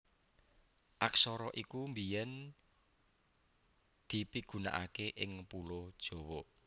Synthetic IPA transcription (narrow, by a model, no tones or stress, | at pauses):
ʔaksɔɾɔʔikumbijɛn | d̪̥i̤piɡ̥ṳna̰ʔa̰keʔɪŋpulod̥ʒ̥o̤wɔ